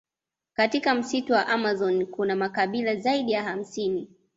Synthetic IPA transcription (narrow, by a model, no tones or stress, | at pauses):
katikam̩situwaʔamazɔnkunamakaɓilazaiɗijaham̩sini